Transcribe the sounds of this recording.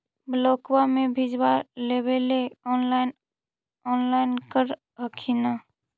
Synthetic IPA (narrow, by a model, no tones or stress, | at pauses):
bloːkwamebʱid͡ʒbalebeleɔnlaɪn | ɔːnlaɪnkəɾ | ɦəkʰina